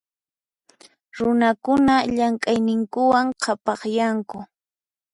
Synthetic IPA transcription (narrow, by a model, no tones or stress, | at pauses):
ɾʊnakʊnaʎaŋkʼajnɪŋkʊwaŋqʰɑpɑχjaŋkʊ